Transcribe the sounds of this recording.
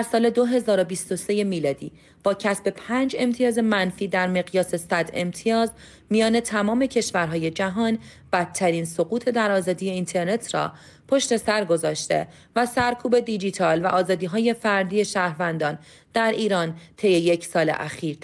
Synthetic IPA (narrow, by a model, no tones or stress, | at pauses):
æɾsɒːle̞d̪oɦe̞zɒːɾo̞biːst̪o̞se̞je̞miːlɒːd̪iː | b̥ɒːcʰæsbe̞pʰæːnd͡ʒe̞mt̪ʰijɒːze̞mænfiːd̪æɾme̞ɣjɒːse̞sæd̪e̞̰mt̪ʰijɒːz | mijɒːne̞t̪ʰæmɒːme̞cʰe̞ʃvæɾɦɒːje̞d͡ʒæɦɒːn | b̥æt̪ʰːæɾiːnso̞ɣuːt̪ʰed̪æɾɒːzɒːd̪ije̞int̪ʰe̞ɾne̞t̪ʰrɒ̰ː | pʰo̞ʃt̪e̞sæɾɡo̞zɒːʃt̪e̞̰ | væsæɾkʰuːbe̞d̪id͡ʒit̪ʰɒːlvæʔɒːzɒːd̪iːɦɒːje̞fæɾd̪iːje̞ʃæːhɾvænd̪ɒːn | d̪̥æɾiːɾɒːnt̪ʰe̞jejecʰsɒːlḛʔæ̰xiːɾ